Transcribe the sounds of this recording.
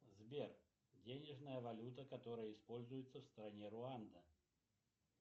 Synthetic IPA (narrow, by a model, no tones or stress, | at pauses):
zʲbʲɛr | d͡zʲenʲɛʐnɐjɐvalʲut̪ɐkat̪ɔɾəjɐispɔlʲzujɛt̪sːɐwst̪ɾanʲɛɾuand̪ɐ